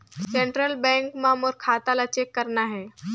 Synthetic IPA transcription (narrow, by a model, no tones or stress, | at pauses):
sẽːɳʈɾəlbɛ̃ŋkmãmoɾkʰaːt̪alat͡ɕekːəɾnaɦɛː